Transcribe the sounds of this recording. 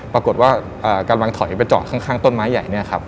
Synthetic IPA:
pɾa˧ko˨˩t̪̚waː˥˩ | ʔəː˨˩kaː˧nwa˧˦ŋt̪ʰɔ˩˦jpa˧jt͡ɕɔ̰ː˨˩t̪̚kʰa˥˩ŋkʰaː˥˩ŋt̪o˥˩nmaː˦˥jːa˨˩jni˥˩ɐkʰa˦˥p̚

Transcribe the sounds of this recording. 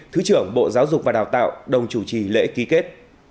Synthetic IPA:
t̪ʰɨ˨˦t͡ɕɨ˧˩əŋɓo̰˧˨zaː˨˦wzʊ˨˩k͡p̚vaː˨˩ɗaː˨˩wt̪a̰ː˧˨wɗə˨˩wŋ͡mt͡ɕu˧˩t͡ɕi˨˩lḛ˧˥ki˨˦ke˦˥t̚

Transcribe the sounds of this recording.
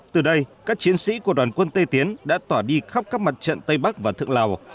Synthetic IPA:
t̪ɨ˨˩ɗə˧jkaː˦˥k̚t͡ɕi˨˦ənsḭ˧˥ku˧˩əɗwaː˨˩nkwə˧nt̪ə˧jt̪i˨˦ənɗa̰ː˧˥t̪waː˧˩ɗi˧xa˦˥p̚kaː˦˥k̚ma˨˩t̚t͡ɕə̰˧˨nt̪ə˧jɓa˦˥k̚vaː˨˩t̪ʰɨ̰˧˨əŋlaː˨˩w

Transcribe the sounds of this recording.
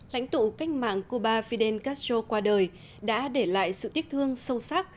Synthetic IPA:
la̰˧˥jŋ̟t̪ṵ˧˨ka˦˥jŋ̟̚ma̰ː˧˨ŋku˧ɓaː˧fi˧ɗe˧nka˦˥st͡ɕo˧kwaː˧ɗəː˨˩j | ɗa̰ː˧˥ɗe˧˩la̰ː˧˨jsɨ̰˧˨t̪i˦˥ək̚t̪ʰɨ˧əŋsə˧wsa˦˥k̚

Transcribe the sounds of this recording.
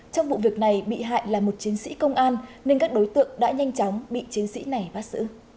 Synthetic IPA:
t͡ɕɔ˧wŋ͡mɓṵ˧˨vi˨˩ək̚na˨˩jɓḭ˧˨ɦa̰ː˧˨jlaː˨˩mo˨˩t̚t͡ɕi˨˦ənsḭ˧˥kə˧wŋ͡mʔaː˧nne˧nkaː˦˥k̚ɗo˨˦jt̪ɨ̰˧˨əŋɗa̰ː˧˥ɲa˧jŋ̟t͡ɕɔ˨˦wŋ͡mɓḭ˧˨t͡ɕi˨˦ənsḭ˧˥na˨˩jɓaː˨˦˥t̚sɨ̰˧˥

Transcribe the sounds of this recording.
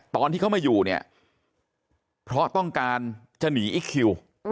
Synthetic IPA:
t̪ɔː˧nt̪iː˥˩kʰma˧˩juː˨˩ni˥˩ɐ | pʰɾɔ˦˥t̪ɔ˥˩ŋkaː˧n | t͡ɕa˧niː˩˦ʔi˦˥kʰːi˧w

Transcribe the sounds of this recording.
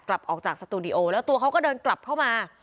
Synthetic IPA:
kla˨˩p̚ʔɔː˨˩k̚t͡ɕaː˨˩k̚sa˧t̪uː˧di˧ʔoː˧lɛː˦˥wt̪u˧əkʰa˦˥wkɔː˥˩dɤː˧nkla˨˩p̚kʰa˥˩wmaː˧

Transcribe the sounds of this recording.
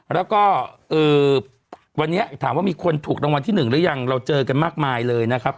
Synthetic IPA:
ɾɛː˦˥wkɔː˥˩ʔɤː˨˩ | wa˧nːi˦˥ɐt̪ʰaː˩˦wa˥˩miː˧kʰu˧nt̪ʰuː˨˩k̚ɾa˧ŋwa˧nt̪ʰiː˥˩nɯ˨˩ŋlɯ˦˥ja˧ŋɾa˧wt͡ɕɤː˧ka˧nmaː˥˩k̚maː˧jlɤː˧jna˦˥kʰa˦˥p̚

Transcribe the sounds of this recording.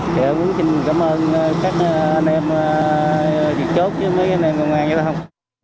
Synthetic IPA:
t̪ʰi˨˩ə˧mu˨˦ənsï˧ŋ˨˩kaː˧˨˦mʔəː˧n˧kaː˦˥k̚ːʔa˧nʔɛ˧mː˧ | zi˨˩t͡ɕo˦˥t̚t͡ɕɨ˨˦məː˨˦jkːnʔɛ˧mkə˧wŋ͡mʔaː˧nɲ˧sʰa˧hə˧wŋ͡m

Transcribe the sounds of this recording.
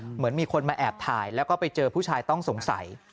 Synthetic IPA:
mɯ˩˦ənmiː˧kʰo˧nmaː˧ʔɛː˨˩p̚t̪ʰaː˧jlɛː˦˥wkɔː˥˩pa˧jt͡ɕɤː˧pʰuː˥˩t͡ɕʰaː˧jt̪ɔ˥˩ŋso˩˦ŋsa̰˩˦j

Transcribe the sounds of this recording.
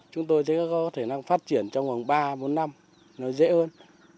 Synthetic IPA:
t͡ɕʊ˨˦ŋ͡mt̪o˧jsɛ̰˧˥kɔ˨˥kɔ˨˦kɔ˨˦t̪ʰe˧˩na˧ŋfaː˦˥t̚t͡ɕi˧˩ənt͡ɕɔ˧wŋ͡mvə˨˩ŋɓaː˧ɓo˨˦nːa˧m | nɔ˨˦jzḛ˧˥həː˧n

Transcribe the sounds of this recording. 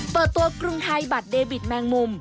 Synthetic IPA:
pɤː˨˩t̪̚ːu˧ɐkɾu˧ŋhʰa˧jba˨˩t̪̚deː˧wi˨˩t̪̚mɛː˧ŋmu˧m

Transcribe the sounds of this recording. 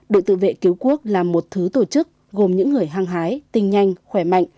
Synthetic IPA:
ɗɨ̰˧˨t̪ɨ̰˧˨vḛ˧˨ki˨˦wku˦˥ək̚laː˨˩mːo˨˩t̚t̪ʰɨ˨˦t̪o˧˩t͡ɕɨ˦˥k̚ | ɣo˨˩mɲɨ̰˧˥ŋːɨ˨˩əjɦaː˧ŋɦaː˨˦jt̪ï˧ŋ̟ɲa˧jŋ̟xwɛ˧˩ma̰˧˨jŋ

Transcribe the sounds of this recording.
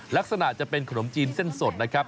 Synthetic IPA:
la˦˥k̚sa˧na˨˩ʔt͡ɕa˨˩pe˧nkʰa˧no˩˦mt͡ɕiː˧nse˥˩nso˨˩t̪̚na˦˥kʰɾa˦˥p̚

